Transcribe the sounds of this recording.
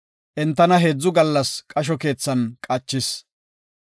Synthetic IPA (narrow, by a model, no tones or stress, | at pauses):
ʔɛnt̪ːɐnɐɦe̞ːd͡zːʊɡɐlːɐskʼɐʃ̬ɔke̞ːt͡sːɐnkʼɐt͡ʃːɪs